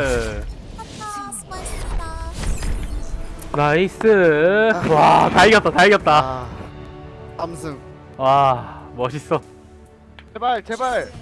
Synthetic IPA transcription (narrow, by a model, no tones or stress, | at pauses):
nais͈ɯ | wataiɡʌt̚t͈ataiɡjʌt̚t͈a | msɯwamʌɕʰis͈ʌ | t͡ɕebaɭt͡ɕebaɭ